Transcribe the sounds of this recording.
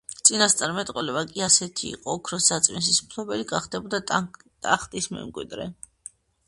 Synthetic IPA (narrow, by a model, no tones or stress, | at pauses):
t̪sʼinast̪sʼaɾmɛt̪ʼqʼwɔlɛbakʼiasɛt̪ʰḭːqʼɔːkʰɾɔsat̪sʼmins̬ismpʰlɔbɛliɡaχd̪ɛbɔd̪at̪ʼa̰χt̪ʼismɛ̰mkʼwḭd̪ɾɛ̰